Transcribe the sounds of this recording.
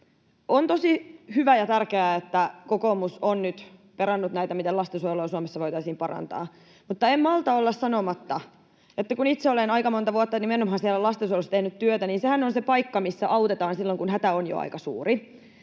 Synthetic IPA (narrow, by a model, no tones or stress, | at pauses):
ʔont̪osihyʋæjɑt̪ærkeæet̪ːækokomusonnyt̪peɾɑnːut̪næit̪æmit̪elɑst̪esulojsuɑmesːɑʋoit̪ɑisiːmpɑrɑ̰nt̪ɑ̰ː | mut̪ːɑemmɑlt̪ɑolːɑssɑnomɑt̪ːɑ | et̪ːækunit̪seolenɑikɑmont̪ɑʋuɑt̪ːɑnimenomhɑnsielːælɑst̪esuolost̪enyt̪t̪yøt̪æniːnsehænonsepɑikːɑmisːæʔɑut̪et̪ɑːnsilːoŋkunɦæt̪æonjo̰ɑ̰ikɑsṵːri